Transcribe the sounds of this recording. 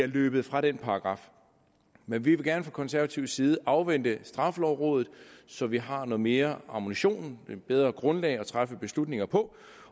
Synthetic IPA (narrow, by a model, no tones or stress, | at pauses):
æɐløːb̥əð̞̩ˠfʁɑ̈ɾ̥enpʰɑ̈ɑɡ̥ʁɑ̈f | menʋiʋe̝ɡ̥æɐnəfʁɑ̈kʰɒ̽nsæɐæt͡sʰiʊsiːð̞̩ˠəʔɑ̈ʊʋen̰d̥əsd̥ʁɑ̈flɒʊʁɔ̽ːð̞ˠð̩ˠsɒ̽ʋiɦɑ̈nɔ̽ːð̩ˠme̝ːɐɑ̈muniɕo̝̰ːneb̥eð̞ˠʁɐɡ̥ʁɔ̽nlɛɪɒ̽t͡sʰʁafəb̥e̝slud̥ne̝ŋɐpʰɒ̽